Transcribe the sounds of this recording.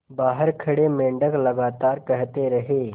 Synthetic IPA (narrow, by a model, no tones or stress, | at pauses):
baːɦəɾkʰɐɽemẽːɳɖəklɐɡaːt̪aːɾkɛɦt̪eɾɐɦeː